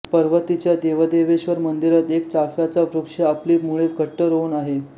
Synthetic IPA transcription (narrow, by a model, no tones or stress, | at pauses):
pəɾʋət̪it͡ɕjad̪eʋəd̪eʋeɕʋəɾmənd̪iɾət̪ekt͡safjat͡safɾukʂəapliːmuɭeɡʱəʈːəɾounaɦe